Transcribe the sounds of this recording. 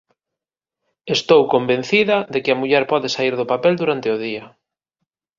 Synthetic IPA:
est̪owkombẽn̟θiðɐðekɪɐmuʎɛɾpɔðɪsaiɾðʊpapɛld̪uɾant̪ɪʊðiɐ

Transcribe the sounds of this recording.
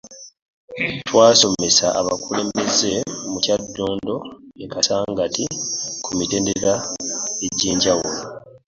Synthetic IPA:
twaːso̞mesaʔaβakule̞ːmbe̞ze̞mucadːo̞ːndo̞ekasaːŋɡatikʰumite̞ːndeɾaeɟiːɲɟawulo

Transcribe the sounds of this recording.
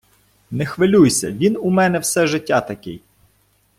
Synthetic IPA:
nɛxʋɪlʲujsʲɐ̰ʋʲinumɛnɛwsɛʒɪtʲːɑt̪ɐkɪ̰j

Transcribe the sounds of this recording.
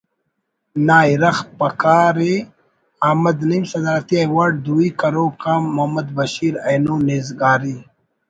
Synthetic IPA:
naːjɾɐxpɐkaːɾe | aːmɐd̪nimsɐd̪aːɾɐt̪iajwaːɖ̚d̪uikɐɾoːkaːmːuhmɐd̪bɐɕiːɾɐjnuːnizɡaːɾi

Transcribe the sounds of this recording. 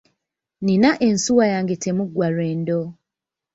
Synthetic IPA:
ninaʔensuwajaːŋɡetemuɡwaɾweːndo

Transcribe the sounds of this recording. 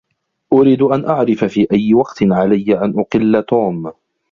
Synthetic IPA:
ʔʊɾiːd̪ʔanʔaʕɾɪfafiːʔajːɪwɑqt̪ɪʕalajːaʔanʔʊqɪlːat̪uːm

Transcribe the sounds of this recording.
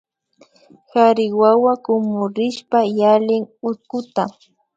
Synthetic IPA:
xaɾɪwawakʊmʊɾɪʃpajalɪŋʊt̪̚kʊt̪a

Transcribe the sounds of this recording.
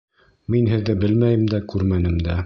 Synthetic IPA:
minɦɘ̆ðːɘbɘlmæjɘ̆md̪ækʉɾmænɘmd̪æ

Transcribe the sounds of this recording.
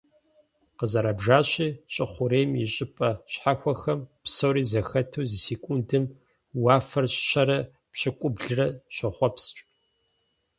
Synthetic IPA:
qəzɐɾɐbʒaːɕiːɕʼɪχʷʊɾeːmjɪɕʼɪpʼɐɕħaxʷɔxɐmpsowɾiːzɐxɐtʰuːzisiːkʷʼundɨm | waːfɐrɕɕɐɾɐ | pɕɪkʷʼʊbɮɨrɐɕɐχʷɔpst͡ʃʼ

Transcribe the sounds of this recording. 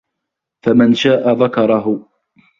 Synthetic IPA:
famɪnʃaːʔaðakɑɾˤɑɦʊ

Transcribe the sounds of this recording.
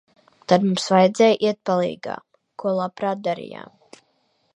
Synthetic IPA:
t̪ad̪mumsvajd̪zɛjʔiɛt̪̚palˠḭːɡa̰ːm | kuɔlˠapɾaːt̪̚d̪aɾḭja̰ːm

